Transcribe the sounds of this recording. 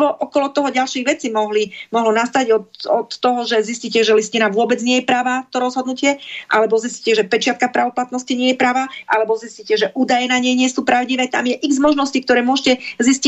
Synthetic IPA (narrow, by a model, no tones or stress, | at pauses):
bɔʔɔkɔlɔt̪ɔɦɔɟalʃiɣʋɛt͡simɔɦlimɔɦlɔnast̪aɟɔt̪ɔt̪ːɔɦɔʒɛzisciːcɛʒɛliscinaʋʊɔbɛd͡zɲɪɛjɛpɾaʋaːt̪ɔɾɔzɦɔd̪nucɪɛʔalɛbɔzisci̥cɛʒɛpɛt͡ʃɪat̪kapɾaʋɔplat̪nɔsciɲɪɛjɛpɾaʋaːʔalɛbɔziscicɛʒɛʔuːd̪ajɛnaɲɛjɲɪɛsuːpɾaʊɟiʋɛːt̪a̰mjɛʔiɡzmɔʒnɔscik̚t̪ɔɾɛːmʊɔʒcɛzisci